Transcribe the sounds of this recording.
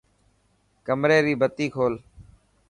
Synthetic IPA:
kəmɾeːɾiːbət̪iːkʰoːl

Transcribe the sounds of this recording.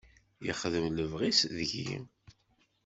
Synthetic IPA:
jə̰χðəmləvʁisðʝḭ

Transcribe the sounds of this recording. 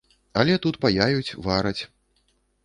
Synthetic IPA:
ɐlʲɛt̪ut̪pajajut͡sʲvaɾɐt͡sʲ

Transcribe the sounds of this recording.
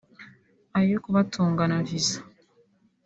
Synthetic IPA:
ajokuβatʰuːŋɡanaviza

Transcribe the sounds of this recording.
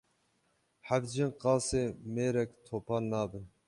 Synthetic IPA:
hæbd͡ʒinqʰɑːsɨmeɾɛkʲt̪ʰopʰɑlnɑːd̪ɨn

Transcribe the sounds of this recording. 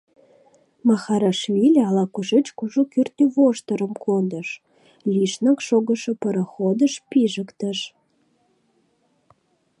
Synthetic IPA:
mɑxɑɾɑʃβilʲɑlɑkuʒet͡ɕkuʒokyrt̪yβoʃt̪əɾə̆mkond̪əʃ | lʲiʃnəkʃoɣəʃə̆pəɾəxod̪əʃpiʒəkt̪əʃ

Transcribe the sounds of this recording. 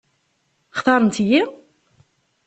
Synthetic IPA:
χt̪ɑɾˤənt̪ji

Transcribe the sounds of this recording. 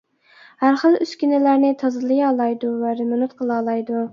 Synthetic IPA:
hæɾχəlˠyskʲynɪlæɾnɪt̪ʰɑzɨlˠɨjɑːlˠɑjd̪uvæɾɪmɪnut̪̚qʰəlˠɑːlˠɑjd̪u

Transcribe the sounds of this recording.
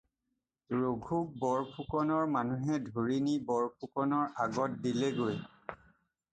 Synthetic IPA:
ɹoɡʱuk̚bɔɹpʰukɔnɔɹmanuɦɛdʱoɹinibɔɹpʰukɔnɔɹʔaɡɔt̚dileɡoj

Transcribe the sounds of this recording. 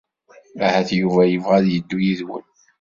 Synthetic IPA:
æhæθjuvæjəvʁæðjəd̪ːujiðwə̰n

